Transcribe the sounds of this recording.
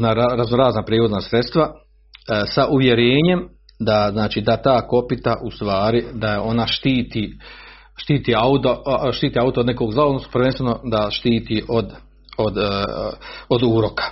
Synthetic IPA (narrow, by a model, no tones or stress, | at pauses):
naɾaɾaznoɾaːznapɾiːʋod̪nasɾet̪st̪ʋa | saʔuʋje̞ɾeːɲe̞m | d̪aznaːt͡ʃiːd̪at̪aːko̞pit̪aʔust̪ʋaːɾid̪aeo̞naʃt̪iːt̪iː | ʃt̪iːt̪iːaut̪oʃt̪iːt̪iaut̪od̪nekoːɡzlaod̪nosu̥pɾʋe̞nst̪ʋeno̞d̪aʃt̪iːt̪iːʔod̪ | od̪ | od̪uːɾokʰḁ